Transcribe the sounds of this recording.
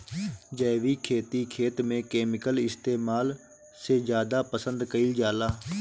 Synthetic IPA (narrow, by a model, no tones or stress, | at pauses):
d͡ʒəːʋiːkʰeːt̪iːkʰeːt̪mẽːkeːmɪkəlɪst̪eːmaːl | seːd͡ʒjaːd̪aːpəsənd̪kəiːd͡ʒaːlaː